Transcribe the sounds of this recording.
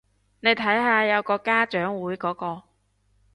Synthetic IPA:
ne˨˧jt̪ʰɐ˨˥jɦaː˧jɐ˨˧wkɔː˧kaː˥t͡ʃœː˨˥ŋwuː˨˥jkɔː˨˥kɔː˧

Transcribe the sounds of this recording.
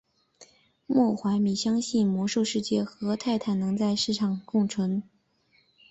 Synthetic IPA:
mwɔ˥˩xwa˧˥ɪmi˨˩ɕjɑ˥ŋɕi˥˩nmwɔ˧˥ʂo˥˧ʊʂɻ̩˥˧t͡ɕjɛ˥˩xɤ˧˥t̪ʰa˥˧ɪt̪ʰa˥˩nnɤ˧˥ŋt͡sa˥˧ɪʂɻ̩˥˩ʈ͡ʂʰɑ˨˩ŋkʊ˥˩ŋʈ͡ʂʰɤ˧˥ŋ

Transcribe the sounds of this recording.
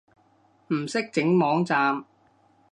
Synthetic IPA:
m̩˨˩sɪ˥k̚t͡sɪ˨˥ŋmɔː˨˥ŋt͡saː˧m

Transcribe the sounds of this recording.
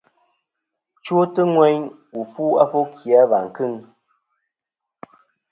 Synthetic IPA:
t͡ʃwo˦tə˦ŋwɛ˦ɲ | u˨fu˦a˦fo˦kʰi˨a˨˦va˨ŋ̩˨kɨ˦ŋ

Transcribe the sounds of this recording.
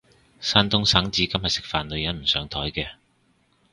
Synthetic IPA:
saː˥nt̪ʊ˥ŋsaː˨˥ŋt͡siː˨˧kɐ˥mhɐ˨˩sɪ˨k̚faː˨nlɵ˨˧ɥjɐ˨˥nm̩˨˩sœː˨˥ŋt̪ʰɔː˨˥jkɛː˧

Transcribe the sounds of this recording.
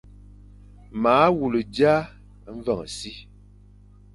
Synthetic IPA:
maː˨˦wu˨lə˨d͡ʒa˦ | və˦˨ŋ˨si˦

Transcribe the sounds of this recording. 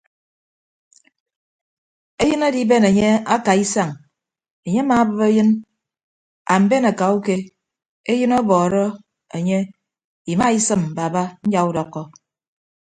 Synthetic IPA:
e˦jɨ˦na˦di˦be˦ne˨ɲe˦a˦ka˨i˦sa˦˨ŋ | e˨ɲe˦a˦ma˨˦bɨ˦be˦jɨ˦n | a̰˨m̩˦be˦na˨ka˨u˦ke˦ | e˦jɨ˦nɔ˦bɔː˨ɾɔ˦ | e˨ɲe˦ | i˨ma˦i˦sɨ˦m̩˨ba˨ba˦ɲ̩˦d͡ʒa˨u˦dɔ˨kːɔ˦

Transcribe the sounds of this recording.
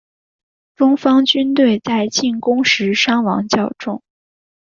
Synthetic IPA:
fʊ˥ŋfɑ˥ŋt͡ɕy˥nt̪we˥˧ɪt͡sa˥˧ɪt͡ɕi˥˩nkʊ˥ŋʂɻ̩˧˥ʂɑ˥ŋwɑ̰˧˥ŋt͡ɕjɑ˥˩ʊʈ͡ʂʊ˥ŋ

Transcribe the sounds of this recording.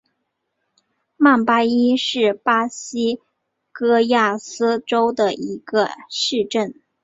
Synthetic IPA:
ma˥˩npa˥i˥ʂɻ̩˥˩pa˥ɕi˥ | kɤ˥ja˥˩sɹ̩˥ʈ͡ʂo˥ʊd̪ə˨i˧˥ɡə˧ʂɻ̩˥˧ʈ͡ʂə˥˩n

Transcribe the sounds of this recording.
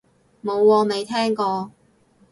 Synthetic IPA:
mo˨˧wwɔː˧ne˨˧jt̪ʰɛː˥ŋkɔː˧

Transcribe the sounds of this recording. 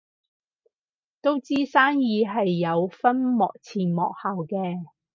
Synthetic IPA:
t̪o˥wt͡siː˥saː˥njiː˨˧ɦɐ˨jːɐ˨˧wfɐ˥nmɔ̰ː˨k̚t͡sʰiː˨˩nmɔː˨k̚haː˨wkɛː˧

